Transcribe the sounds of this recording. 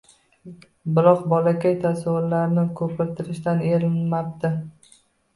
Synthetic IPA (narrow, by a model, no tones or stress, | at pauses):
bɪlɒqbɒlakʲajt̪ʰasaʊɾlaɾnɪkʰɵpʰɪɾt̪ʰɪɾɪʃt̪aneɾɪlmap̚d̪ɪ